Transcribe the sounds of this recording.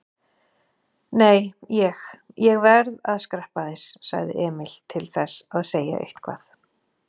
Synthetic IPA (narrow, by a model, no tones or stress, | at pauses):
neːjjɛxjɛɣvɛɾðaðskɾɛhpaðɪssa̰ɣðɪ̰ʔɛːmɪl̥t̪ʰɪlθɛsaðseːja̰ʔḛjht̪kʰva̰ːθ